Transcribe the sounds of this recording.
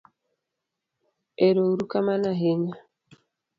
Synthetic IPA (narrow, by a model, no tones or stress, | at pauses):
eɾouɾukamanaɦeɲa